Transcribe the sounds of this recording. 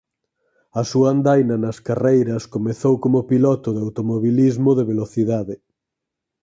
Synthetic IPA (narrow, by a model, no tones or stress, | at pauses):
ɐsuand̪ajnɐnɐskarejɾɐskomeθowkomopilɔt̪ʊðawt̪omoβilizmʊðeβeloθiðaðɪ